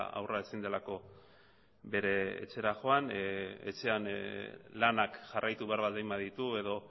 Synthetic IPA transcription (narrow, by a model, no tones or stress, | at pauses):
a̰wrʔaesind̪e̞lako̞ | be̞ɾe̞̰ːt͡ʃe̞ɾaxo̞ane̞̰t͡ʃe̞anlanakʝarʔajt̪uβe̞aɾβat̪d̪ejmbaðit̪ue̞ðo̞